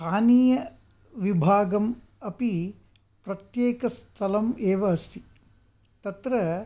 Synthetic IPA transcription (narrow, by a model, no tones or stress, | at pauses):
aːniːjɐ | ʋibʱaːɡɐm | ɐpi | pɾɐt̪jeːkɐst̪ʰɐlɐmeːʋɐɦɐst̪ʰi | t̪ɐt̪ɾɐ